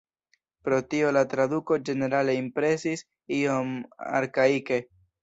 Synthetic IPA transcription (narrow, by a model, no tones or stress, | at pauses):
pɾo̞tio̞latɾaduko̞d͡ʒe̞ne̞ɾale̞impɾe̞sis | io̞ma̰ɾkaike̞